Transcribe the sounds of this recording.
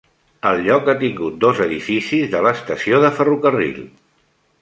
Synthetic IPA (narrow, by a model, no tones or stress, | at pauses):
əlʎɔkat̪iŋɡut̪̚d̪ozəðifisizðələst̪əsioðəfərukərḭl